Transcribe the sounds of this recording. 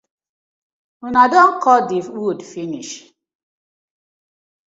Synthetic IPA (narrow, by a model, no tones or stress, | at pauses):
unadɔŋkʰɔdiwudfiniʃ